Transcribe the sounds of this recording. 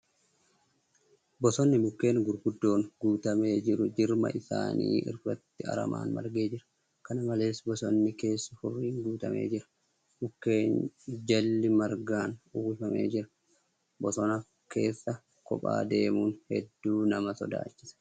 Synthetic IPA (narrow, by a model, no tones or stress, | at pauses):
bɔsɔnːɪmʊkːe̞ːŋɡʊɾɡʊd̪ːo̞ːŋɡuːt̪ɐme̞ːd͡ʒɪɾʊd͡ʒɪɾmɐ̰ʔɪsa̰ːnḭːʔɪ̰ɾfɐt̪ːɪɐ̰ɾɐ̰ma̰ːnmɐ̰ɾɡe̞ːd͡ʒɪɾɐ̥ | kɐnɐmɐle̞ːsbɔsɔnːɪke̞ːsːɐfʊrːiːŋɡuːt̪ɐ̰mʔe̞̰ːd͡ʒɪɾɐ̥ | mʊkːe̞ːnd͡ʒɐlːɪmɐɾɡaːnʊfɐme̞̰ːd͡ʒɪɾɐ̥ | bɔsɔnɐ | ke̞ːsːɐ | kɔ̰pʼa̰ːd̪e̞ːmuːnhɛd̪ːuːnɐmɐsɔ̰d̪a̰ːt͡ʃːɪ̥sɐ̥